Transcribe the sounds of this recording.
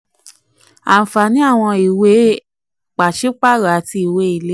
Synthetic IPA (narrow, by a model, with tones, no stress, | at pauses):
a˨fa˨nĩ˨˦a˦˨w̃ɔ̃˧i˨we˨˦ | k͡pa˨ʃe˦k͡pa˦˨ɾa˨a˨˦ti˧i˨we˦i˨le˦